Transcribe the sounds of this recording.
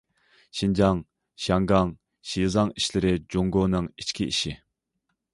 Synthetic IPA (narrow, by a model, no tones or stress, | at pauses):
ʃind͡ʒɑŋ | ʃɑŋɡɑŋ | ʃizɑŋiʃlɪɾɪd͡ʒoŋɡoːnɨŋit͡ʃkʲiḭʃi